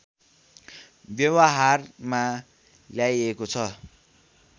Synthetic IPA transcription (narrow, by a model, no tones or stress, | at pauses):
bjʌwaɦarma | ljajekot͡sʰʌ